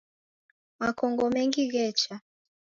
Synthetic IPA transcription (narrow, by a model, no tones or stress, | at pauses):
makɔŋɡɔmɛŋɡiɣɛt͡ʃa